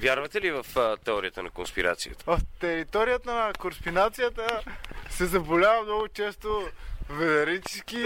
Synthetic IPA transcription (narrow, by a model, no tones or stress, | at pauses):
vjaɾvɐt̪ɛlivəft̪ɛɔɾijət̪ənɐkonspiɾa̰t̪sḭjə̰t̪ə̥vɐft̪ɛɾit̪ɔɾijət̪ənəkoɾspinat̪sijət̪əsɛzɐbolʲavəmnɔɡʊt͡ʃɛst̪ovɛlɛɾit͡ʃski